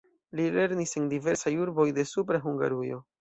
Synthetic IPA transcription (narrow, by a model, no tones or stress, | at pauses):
lile̞ɾnisendive̞ɾsajuɾbo̞jde̞supɾaɦuŋɡa̰ɾujo̞